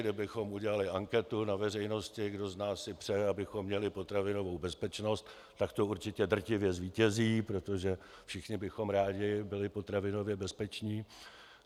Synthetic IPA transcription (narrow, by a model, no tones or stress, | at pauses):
dɪbɪxo̞muɟɛlalɪʔaŋkɛt̪unavɛr̝ɛjno̞scɪɡdo̞znaːsɪpr̝̥ɛabɪxo̞mːɲɛlɪpo̞t̪ɾavɪno̞vo̞wbɛspɛt͡ʃno̞st̪ | t̪ːakt̪o̞uɾt͡ʃɪcɛd̪r̩cɪvjɛzviːcɛziːpɾo̞t̪oʒɛ | fʃɪxɲɪbɪxo̞mɾaːɟɪbɪlɪpot̪ɾavɪno̞vjɛbɛspɛt͡ʃɲiː